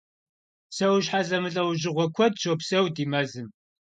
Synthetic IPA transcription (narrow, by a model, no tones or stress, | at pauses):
sɐwɕħazɐmɨɬʼɐwʑɪʁʷɔkʷʰɔd̚ʃʰopsɐwdiːmɐzɨm